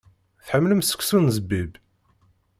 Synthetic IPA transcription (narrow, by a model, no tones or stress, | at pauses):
θħəmːləmsə̥kʷsunzəbːib